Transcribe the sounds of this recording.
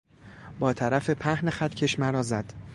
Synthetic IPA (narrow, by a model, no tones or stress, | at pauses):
bɒːt̪ʰæɾæfe̞pʰæhnexæt̪ʰcʰeʃmæɾɒːzæd̪̥